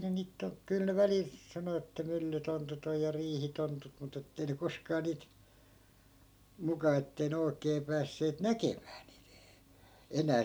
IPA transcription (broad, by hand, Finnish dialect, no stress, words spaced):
ne niːt ton kyl ne ʋælil sɑno etːæ mylːytontut oj jɑ riːhitontut mut etːei ne koskɑː niːt mukɑ etːei ne oi̯keː pæːsːeːt nækemæː niː enæː